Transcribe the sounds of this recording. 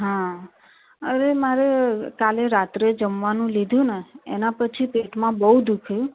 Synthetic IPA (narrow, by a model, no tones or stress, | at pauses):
ɦã | əɾemaɾekaleɾat̪ɾed͡ʒəmʋanũlid̪ʱjũneḛnapət͡ʃʰipeʈmãbəud̪ukʰjũ